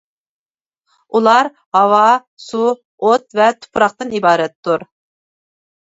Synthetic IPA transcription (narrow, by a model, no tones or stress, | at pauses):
ulˠɑɾ | hɑwɑ | su | ot̪̚vɛt̪ʰu̥pɾɑχt̪ɨnibɑːɾɛt̪ʰːuɾ